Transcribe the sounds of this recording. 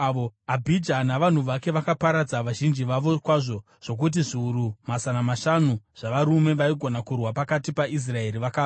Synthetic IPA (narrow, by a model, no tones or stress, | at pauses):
ʋoabʱid͡ʒanaʋan̤uʋake̞ʋakapaɾad͡zaʋaʒind͡ʒiʋaʋo̞kwaʐo̞ | ʐ̥o̞k̬ut̬iʐiuɾumazanamaʃanuʐ̥aʋaɾume̞ʋaiɡʱo̞nakurwapakatipaʔis̬rae̞ɾiʋakaː